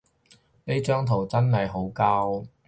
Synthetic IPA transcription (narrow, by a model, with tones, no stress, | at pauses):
le˥jt͡ʃœː˥ŋt̪ʰo˨˩wt͡sɐ˥nhɐ˨jɦo˨˥wkaː˥w